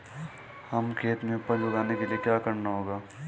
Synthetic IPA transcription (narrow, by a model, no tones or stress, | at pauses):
hɐmkʰeːt̪mẽʊpːəbʊɡaːnekeliekjaːkɐɾnaɦoːɡaː